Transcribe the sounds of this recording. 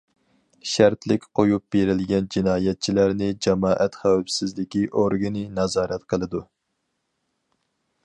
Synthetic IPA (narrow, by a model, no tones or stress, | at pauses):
ʃæɾt̪lɪkʲqʰojup̚beɾɪlɡʲɛnd͡ʒinɑːjɛt̪̚t͡ʃʰilæɾnɪd͡ʒɛmɑːʔɛt̪χæwɛpsɪzlɪkʲiʔoɾɡɨnɨnɑzɑːɾɛt̪qʰəlˠɨd̪u